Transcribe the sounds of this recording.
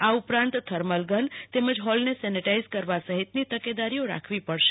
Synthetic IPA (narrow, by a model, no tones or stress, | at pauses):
aupɾãnt̪t̪ʰəɾməlɡənt̪eməd͡ʒɦɔlnesɛniʈaizkəɾʋasəɦit̪nit̪əked̪aɾijoɾa̰kʰʋipəɽʃe̥